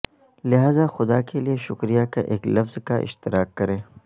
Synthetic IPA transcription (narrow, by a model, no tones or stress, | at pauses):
lɪɦaːzaxʊd̪akelieʃʊkɾijakaʔeːklɐfzkaʔɪ̰ʃt̪ɪɾaːkːɐɾẽː